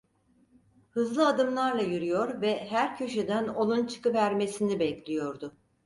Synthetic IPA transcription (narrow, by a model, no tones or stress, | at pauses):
hɯzlˠɯad̪ɯmlˠaɾlˠajyɾyjo̞ɾvɛɦæɾcʰø̞ʃed̪æno̞lˠunt͡ʃʰɯ̥kɯvæɾme̞sinibɛclʲijo̞ɾd̪ʊ